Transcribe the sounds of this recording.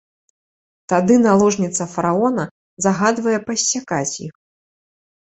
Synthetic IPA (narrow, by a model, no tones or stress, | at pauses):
t̪ad̪ɨnalˠɔʐnʲit̪sɐfɐɾaɔnɐ | zaɣad̪vɐjɛpɐsʲːakat͡sʲjix